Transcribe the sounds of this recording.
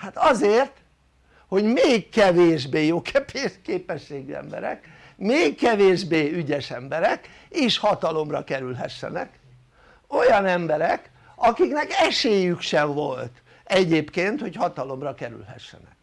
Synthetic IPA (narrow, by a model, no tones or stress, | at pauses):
hat̪ɒzeːrt̪ | ho̞ɟmeːkkɛveːʒbeːjoːkʰpːkeːpɛʃːeːɡyɛ̰mbɛ̰ɾɛ̰k | meːkːɛveːʒbeːyɟɛʃɛmbɛɾɛk | eːʃhɒt̪ɒlo̞mrɒkɛɾylɦɛʃːɛ̰nɛ̰k | o̞jɒnɛmbɛɾɛk | ɒkiknɛkɛʃeːjykʃɛɱvo̞lt̪ | ɛɟeːpkeːnt̪ho̞chɒt̪ɒlo̞mrɒkɛɾy̰lɦɛ̰ʃːɛ̰nɛ̰k̚